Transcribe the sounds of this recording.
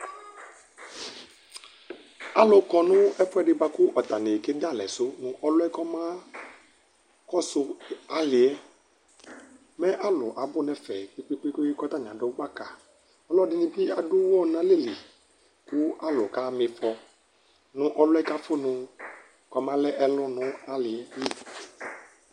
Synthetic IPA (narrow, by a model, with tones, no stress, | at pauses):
a˨lʊ˨kɔ˨nʊ̃˦ɛ˦fʊ˦ɛ˦ɖɪ˨ba˦kʊ˦ʔɔ˨t̪a˨ne˨ke˦da˦˨lɛ̰˨sʊ˦nʊ̃˨ʔɔ˦lʊ˦ɛ˦kɔ˦mã˦ | kɔ˦sʊ˦a˨lɪ˨ɛ˦ | mɛ˦ʔa˦lʊ˨ʔa˨bʊ˦nɛ˨fɛ˨k͡pe˦k͡pe˦k͡pe˦ke˦i˦kɔ˦t̪a˦ɲ˨ã̰˨dʊ˦ɡ͡ba˦ka˨ | ɔ˦lɔ˦dɪ˦nɪ̃˦bi˦a˨dʊ˦wɔ˦nã˦le˦˨li˨ | kʊ˦a˦lʊ˨ka˦mɪ˨fɔ˨ | nʊ̃˦ʔɔ˨lʊ˦ɛ˦ka˦fʊ˦nʊ̃˧ | kɔ˦mã˦lɛ˦ʔɛ˨lʊ˦nʊ̃˦a˦lɪ˨ɛ˦bi˦